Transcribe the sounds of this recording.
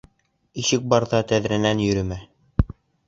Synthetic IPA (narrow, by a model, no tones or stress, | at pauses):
iʃɘk̚bɑɾðɑt̪æðɾænænjɵ̆ɾɘ̆mæ